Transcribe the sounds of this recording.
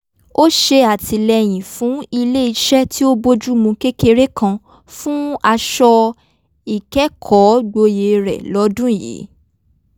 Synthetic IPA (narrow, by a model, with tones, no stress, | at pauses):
o˦ʃe˧a˨ti˧lɛ˧j̃ĩ˨fũ˨˦i˧le˦i˧ʃɛ˦tʰi˦o˦bo˦d͡ʒu˦mũ˧ke˦ke˧ɾe˦kʰã˧ | fũ˦a˧ʃɔ˧ | i˨kɛ˨˦kʰɔ˨˦ɡ͡bo˧je˨˦ɾɛ̰˨lɔ˨˦dũ˦˨jḛ˨˦